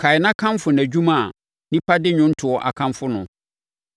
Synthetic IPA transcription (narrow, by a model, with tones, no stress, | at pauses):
kʰa˨ɪ˨nã˦kʰã˦mfʊ˨næ˨d͡ʑᶣu˦mã˦˨ | nĩ˦pʰa˦dɪ˦ɲʊ̃˦n̩˦tʰʊ˨ɔ˨ʔa˨kʰã˦mfʊ˦nʊ̃˨